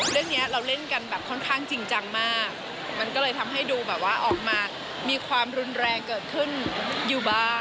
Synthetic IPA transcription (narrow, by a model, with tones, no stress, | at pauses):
ɾɯ˥˩əŋni˦˥ɐɾa˧wle˥˩nka˧nbɛː˨˩p̚kʰɔ˥˩nkʰaː˥˩ŋt͡ɕi˧ŋt͡ɕa˧ŋmaː˥˩k̚ | ma˧nkɔː˥˩lɤː˧jt̪ʰa˧mɦa˥˩jduː˧bɛː˨˩p̚waː˥˩ʔɔː˨˩k̚maː˧ | miː˧kʰwaː˧mɾu˧nɾɛː˧ŋkɤː˨˩t̪̚kʰɯ˥˩njuː˨˩baː˧